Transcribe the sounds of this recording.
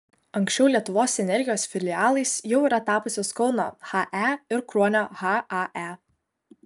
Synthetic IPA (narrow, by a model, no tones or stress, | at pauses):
ɐŋʲksʲt͡ʃʲɛʊlʲiɛt̪ʊʋoːsɛnʲɛɾʲɡʲɪjoːsfʲɪlʲɪɑːlˠɐɪsjɛʊiːɾɐt̪ɑːpʊsʲoːskɒʊno̰ːxɑʔæɪɾkɾuɔnʲoːɣɑʔɑʔæ